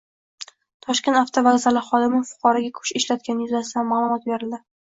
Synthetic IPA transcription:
t̪ʰɒʃkʲe̞nt̪aft̪ʰovazalɪχɒd̪ɪmɪfʊ̥qʰɒɾɒɡʲakʰʊ̥ʃɪʃlat̪̚kʲanɪjʊzasɪd̪anmaːlˠʊmɒt̪̚be̞ɾɪld̪ɪ

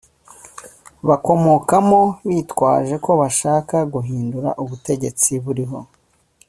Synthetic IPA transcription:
βako̞mo̞kamo̞βiːtwa̰ːʒe̞ko̞βaʃaːkaɡuɦiːnduɾa̰ʔuβute̞ɟe̞t͡siβuɾiɦo̞

